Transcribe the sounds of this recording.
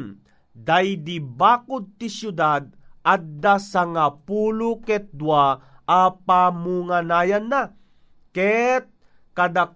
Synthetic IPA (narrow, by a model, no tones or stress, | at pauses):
d̪ajd̪ibaːkʊd̪̚t̪isjud̪ad̪̚ad̪asaŋapuːlukɛt̪̚d̪waʔapamuŋanaːjanːa | kɛt̪̚ | kad̪a